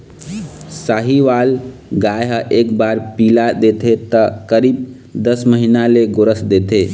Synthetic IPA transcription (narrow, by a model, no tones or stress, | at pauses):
saɦiʋalɡajɦəʔek̚baɾpilad̪et̪ʰet̪əkəɾiːb̚ | d̪əsməɦinaleɡoɾəsd̪et̪ʰe